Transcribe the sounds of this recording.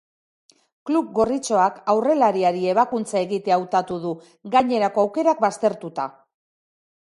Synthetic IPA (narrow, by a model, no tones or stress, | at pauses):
klup̚ɡo̞rit͡so̞akawre̞laɾiaɾie̞β̞akunt͡sae̞ɣit̪eawt̪at̪uðu | ɡaɲe̞ɾako̞awke̞ɾak̚bast̪e̞ɾt̪ut̪a̰